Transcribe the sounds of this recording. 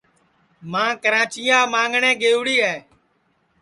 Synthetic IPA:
mãːkəɾãːt͡ʃɪjãːmãːŋɡɳẽːɡeːʋɽiːɦɛː

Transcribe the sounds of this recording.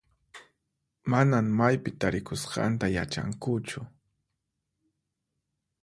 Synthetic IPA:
manaŋmajpɪt̪aɾɪkʊsqɑ̰nt̪aja̰t͡ʃa̰ŋkʊt͡ʃʊ

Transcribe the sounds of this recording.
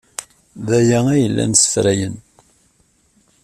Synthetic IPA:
ðæjææjəlːæ̰nsə̥fɾæjən

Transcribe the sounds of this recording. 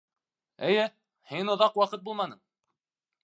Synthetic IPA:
ɘ̆jɘ | hinŏðɑqwɑqɤt̪bulˠmɑnɤɴ

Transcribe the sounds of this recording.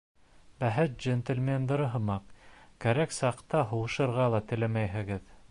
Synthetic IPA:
bæɦɘt̪̚ʒent̪ɘ̆lʲmʲend̪ɤ̆ɾɤɦɤ̆mɑqkæɾæksɑqt̪ɑɦŏwɤ̆ʃɤ̆ɾʁɑlˠɑt̪ɘ̆læmæjɦɘ̆ɡɘð

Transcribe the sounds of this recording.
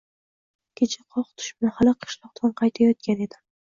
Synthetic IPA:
kʲʰet͡ʃʰḁqʰɒχt̪ʰʊ̥ʃbɪnahalɪqʰɨ̥ʃlˠɒq̚t̪ʰanqʰɑjt̪ʰajɒt̪̚kʲane̞d̪ɪ

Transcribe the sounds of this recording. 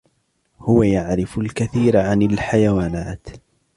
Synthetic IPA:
hʊwajaʕɾɪfʊlkaθiːɾʕanɪlħajawaːnaːt̪

